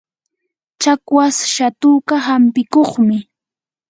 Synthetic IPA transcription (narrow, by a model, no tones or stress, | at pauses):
t͡ʃakwasʃat̪uːkaɦampɪkoχmɪ